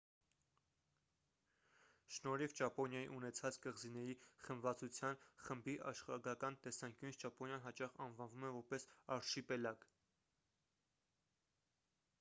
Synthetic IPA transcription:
ʃnɔɾivt͡ʃɑpɔnjɑjḭʔunɛt͡sʰɑt͡skəʁzinɛɾiχəmvɑt͡sut͡sʰjɑnχəmbiʔɑ̰ʃχɑɡɑkɑnt̪ɛsɑŋkjunisʰt͡ʃɑpɔnjɑnɦɑt͡ʃɑχɑnvɑnvumɛvɔɾpɛsɑɾʃipɛlɑk

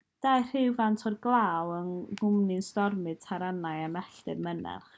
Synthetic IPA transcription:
d̥ajr̥ɪwvantʰɔdɡlˠaːwənɡʊmnɪnstɔrmɨd̥̚tʰaɾanajamɛɬtɨrmənɛ̰rχ

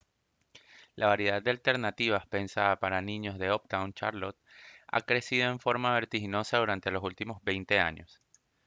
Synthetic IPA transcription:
lʔaβaɾje̞ðad̪̚d̪e̞alt̪e̞ɾnat̪iβ̞aspe̞nsaðapaɾanĩɲo̞zðe̞op̚t̪awnt͡ʃaɾlot̪̚a̰kɾe̞siðo̞e̞ɱfo̞ɾmaβe̞ɾt̪ixino̞saðuɾant̪e̞lo̞sult̪imo̞zβe̞jnt̪e̞a̰ɲo̞s

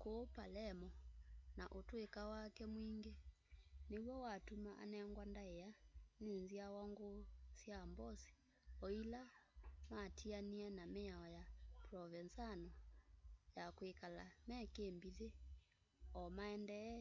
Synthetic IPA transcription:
kopalɛmɔnaʔotoekawakɛmwiŋɡe | newɔwatumaʔa̰nɛŋɡwandaɛanenziawaŋɡosjambɔsi̥ | ɔilamatʰianianameaɔjapɾɔvɛnsanɔ | jakwekala̰mɛkeːmbiðe | ɔmaɛndɛ

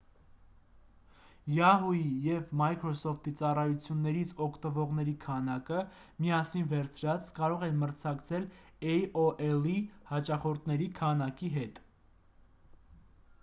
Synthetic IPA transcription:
jɑɦujijɛvmɑjkʰɾɔsɔft̪ʰit͡sɑrɑjut͡sʰjunːɛɾit͡sʰɔkʰt̪əvɔʁnɛɾikʰɑnɑkə | miɑsinvɛɾt͡sʰɾɑt͡skɑɾɔʁɛnməɾt͡sʰɑkt͡sʰɛl | ɛjɔʔɛlihɑt͡ʃɑχɔɾt̪ʰnɛɾikʰɑnɑkiɦɛt̪

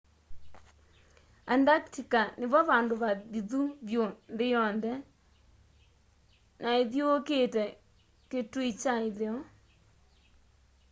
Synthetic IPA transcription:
andaktikaneβɔβandoβaðiðuβjondɪjɔndɛ | naeðjooketɛ | ketuit͡ʃaeðeɔ

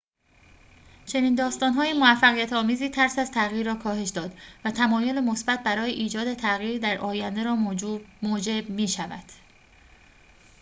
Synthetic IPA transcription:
t͡ʃʰe̞niːnd̪ɒːst̪ɒːnɦɒːjemovæfːæɣijæt̪ʰɒːmiːziːt̪ʰæɾsæzt̪ʰæɣiːɾːɒːkʰɒːɦe̞ʃd̪ɒːd̪væt̪ʰæmɒːjo̞lemo̞sbæt̪̚bæɾɒːjeʔiːd͡ʒɒːd̪e̞t̪ʰæɣiːɾd̪æɾʔɒːjænd̪eɾɒːmoːd͡ʒe̞bmiːʃævæ̰d̪̥

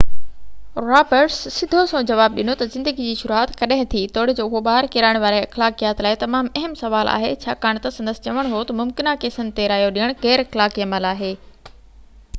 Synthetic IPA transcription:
ɾaːbəɾsːɪd̪ʱosõd͡ʑɐʋaːb̚ɗɪnot̪ɐzɪ̃nd̪əɡid͡ʑiːʃʊɾuaːt̪kɐɗɐ̃ɦɪ̃t̪ʰit̪oːɽ̤ed͡ʑoːʊɦoɓaːəɾkɪɾaːɪɽ̃ʋaːɾeɐxlaːkijaːt̪laːɪt̪ɐmaːmɐɦɪmsɐʋaːlʔa̰ːɦḛt͡ɕʰa̰ːkaːɽ̃t̪ɐsɐ̃nd̪əsɪ̥t͡ɕɐʋəɽ̃ɦot̪ɐmʊmkɪnakeːsənɪ̆t̪eɾaːijoɗĩəɽ̃ɣɛːɾɐxlaːkijəmalaːɦeː

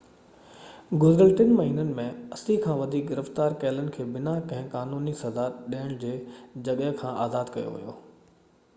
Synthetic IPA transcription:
ɡʊzɾəlʈɪnmɐɦiːnənɪ̆mẽɐsikʰãːʋɐd̪ʱiːk̚ɡɪɾəft̪aːɾkɛːlənɪ̆kʰeːbɪnakɐ̃ɦɪ̃kaːnuːnisɐzaːt̪ɗiəɽ̃d͡ʑeːd͡ʑɐɠəɦkʰãːʔaːzaːd̪kɐjo̰ʋḭjo̰ː

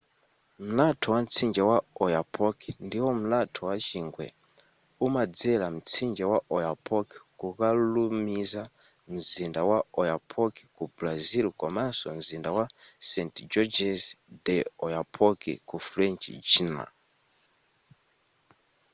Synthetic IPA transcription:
m̩latʰɔwam̩t͡sʰind͡ʒɛwaɔjapʰɔkɛndiwɔm̩latʰɔwat͡ʃiŋɡwɛ̰ | umad͡zɛlam̩t͡sʰind͡ʒɛwaʔɔjapʰɔkɛ̥kukalumiza | m̩zindawaɔjapʰɔkɛ̥kublazilkɔmasɔm̩zindawasɛntd͡ʒɔd͡ʒɛzd̪ɛɔjapʰɔkɛ̰kufɾɛnt͡ʃd͡ʒina̰

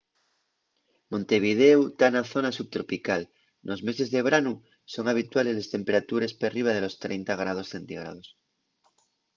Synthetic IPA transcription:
mõ̞nt̪e̞β̞ið̞eut̪anaθo̞nasuβt̪ɾo̞pikal | nʔo̞zme̞se̞zðe̞β̞ɾanu | so̞ŋaβ̞it̪wale̞zlest̪e̞mpe̞ɾat̪uɾe̞speriβ̞að̞e̞lo̞st̪ɾḛjnt̪aɣ̞ɾað̞o̞sθe̞nt̪iɣɾa̰ð̞o̞s

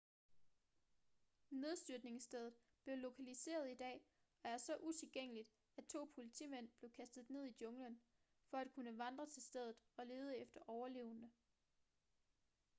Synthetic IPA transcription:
ne̝ð̞ˠsd̥yɐ̥ne̝ŋsd̥eð̞ˠð̩ˠ | b̥le̝ʊlo̝kʰælise̝̰ːɐðˠid̥ɛ̰ː | ɒ̽æɐsɒ̽ʔut͡sʰe̝lɡ̥eŋ̰əlid̥ | æt͡sʰo̝̰ːpʰo̝lit͡sʰḭːmen̰b̥le̝ʊkʰæsd̥ð̞̩ˠne̝ð̞̰ˠid̥jɔ̽ŋlən | fɒ̽æd̥̚kʰunəʋɑ̈nd̥ʁɐt͡sʰe̝lsd̥eð̞ˠð̩ˠɒ̽le̝ːð̞ˠəefd̥ɐʔɒʊɐle̝ːʊnə

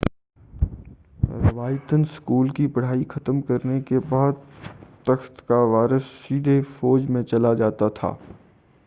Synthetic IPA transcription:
ɾɪʋaːjt̪ənskuːlkipɐɽ̤aːixɐt̪mkɐɾnekebɔɦd̪t̪əxt̪kaʋaːɾəsːiːd̪ʱefɔːd͡ʒmẽt͡ʃɐlad͡ʒaːt̪at̪ʰa̰ː

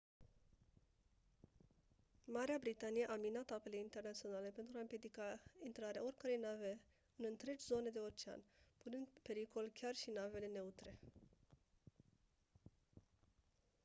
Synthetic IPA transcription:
maɾeabɾit̪anijeʔaminat̪ape̞le̞int̪e̞rnat̪sio̞nale̞pe̞nt̪ɾuaɨmpjed̪ikaint̪ɾaɾeao̞rʲkəɾe̞jnave̞ | ɨnɨnt̪ɾe̞d͡ʒʲzo̞ne̞d̪e̞ort͡ʃea̰nʲpunɨnd̪pe̞ɾiko̞lkʲarʃinave̞le̞ne̞ut̪ɾe̞

